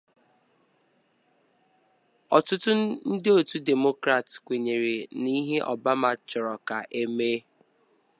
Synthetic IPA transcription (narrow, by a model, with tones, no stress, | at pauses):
ɔ˨tʊ˦tʊ˦n̩˦dɪ˦o˨tu˦de˨mo˦kɾa˨tkʷe˨ɲe˨ɾi˨ni˦ɦe˦ʔɔ̰˨ba˦ma˨t͡ʃɔ˨ɾɔ˨ka˨ʔe˦meː˦